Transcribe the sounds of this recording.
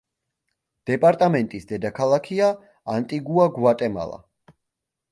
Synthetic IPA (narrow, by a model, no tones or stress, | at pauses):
d̪̥ɛpʼaɾt̪ʼamɛnt̪ʼisd̪ɛd̪akʰalˠakʰiaː | nt̪ʼiɡuaɡwat̪ʼɛma̰lˠa̰